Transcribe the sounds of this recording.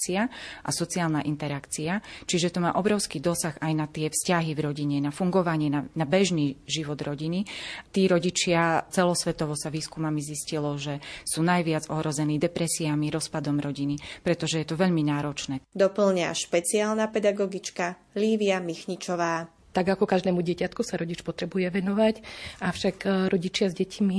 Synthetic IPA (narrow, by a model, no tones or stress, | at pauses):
t͡siaʔa̰sɔt͡siaːlnaʔint̪ɛɾakt͡siat͡ʃiʒɛt̪ɔma̰ːʔɔbɾɔʊskiːd̪ɔsaxajnat̪ɪɛfscaɦivɾɔɟiɲɛnafuŋɡɔʋaɲɪɛnanabɛʒniːʒiʋɔd̪ɾɔɟinit̪iːɾɔɟit͡ʃɪat͡sɛlɔsʋɛt̪ɔʋɔsaʋiːskumamiziscilɔʒɛsuːnajʋɪad͡zɔɦɾɔzɛniːd̪ɛpɾɛsiamiɾɔspad̪ɔmɾɔɟinipɾɛt̪ɔʒɛjɛt̪ɔʋɛʎminaːɾɔt͡ʃnɛːd̪ɔpl̩ɲa̰ʃpɛt͡siaːlnapɛd̪aɡɔɡit͡ʃka | liːʋiamixɲit͡ʃɔʋaː | t̪aɡakɔkaʒd̪ɛːmuɟɪɛcat̪kusaɾɔɟit͡ʃpɔt̪ɾɛbujɛʋɛnɔʋacʔafʃakɾɔɟit͡ʃɪazɟɛcʰmi